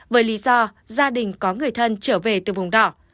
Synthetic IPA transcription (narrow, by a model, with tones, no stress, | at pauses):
vəː˨˦jli˨˦zɔ˧ | zaː˧ɗï˨˩ŋ̟kɔ˨˦ŋɨ˨˩əjt̪ʰə˧nt͡ɕəː˧˩ve˨˩t̪ɨ˨˩vʊ˨˩ŋ͡mɗɔ˧˩